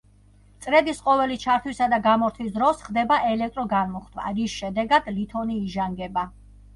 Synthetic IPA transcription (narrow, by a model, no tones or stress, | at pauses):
t̪sʼɾɛd̪isqʼɔvɛlit͡ʃʰaɾt̪ʰwisad̪aɡamɔɾt̪ʰwis̬d̪ɾɔsχd̪ɛbaʔɛlɛk̚ʰt̪ʼɾɔɡanmɔχd̪ʰva̰ɾisʃɛd̪ɛɡad̪̥lit̪ʰɔniːʒaŋɡɛba